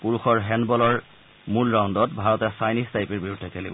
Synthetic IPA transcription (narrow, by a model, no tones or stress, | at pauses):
puɹuxɔɹɦɛnbɔlɔɹ | mulɹaundɔtbʱaɹɔtɛsajnistajpiɹbiɹudʱːɛkelḭbɔ